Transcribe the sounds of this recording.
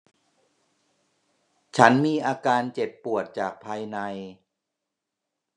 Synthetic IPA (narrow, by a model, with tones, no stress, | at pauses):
t͡ɕʰa˦˥nmiː˧ʔaː˧kaː˧nt͡ɕe˨˩pːu˨˩ət̪̚t͡ɕaː˨˩k̚pʰaː˧jna˧j